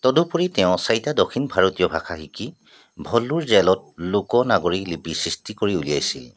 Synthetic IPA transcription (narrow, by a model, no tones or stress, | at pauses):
tɔdupuɹitɛʊ̃sajtadokʰinbʱaɹotijɔbʱakʰaxiki | bʱɔlːuɹzɛlɔt̚lukɔnaɡoɹilipisɹistikoɹiulijajsil